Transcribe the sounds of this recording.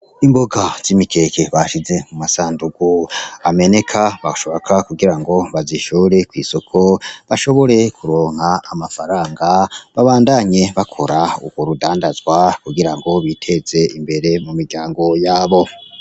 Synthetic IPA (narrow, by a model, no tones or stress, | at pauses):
imboɡaz̥imikʰe̞keβaʃize̞mumasaːnduɡuame̞ne̞kʰaβaʃoβakʰakuɡiɾaŋɡo̞βaziʃuːɾe̞kwḭːso̞kʰo̞βaʃo̞βo̞ɾe̞kuɾo̞ːŋ̥haːmafaɾaːŋɡaβaβaːndaɲe̞βakʰo̞ɾaṵɡwo̞ɾudaːndazɡwakuɡiɾaŋɡo̞βitʰe̞z̥e̞imbe̞ɾe̞mumiɾɟaːŋɡo̞jaːβo̞